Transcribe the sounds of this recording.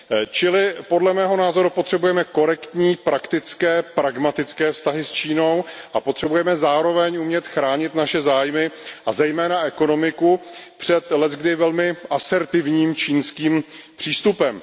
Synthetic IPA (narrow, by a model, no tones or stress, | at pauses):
t͡ʃɪlɪpo̞dlɛmɛːɦo̞naːzo̞ɾupot̪r̥ɛbujɛmɛko̞ɾɛkt̪ɲiːpɾakt̪ɪt͡skɛːpɾaɡmat̪ɪt͡skɛːfst̪aɦɪst͡ʃiːno̞wʔapot̪r̥ɛbujɛmɛzaːɾo̞vɛɲʔumɲɛt̪xɾaːɲɪt̪naʃɛzaːjmɪʔazɛjmɛːnaɛko̞no̞mɪkupr̝̥ɛt̪lɛt̪ɡdɪvɛlmɪʔasɛɾt̪ɪvɲiːmt͡ʃiːnskiːmpr̝̥iːst̪upɛm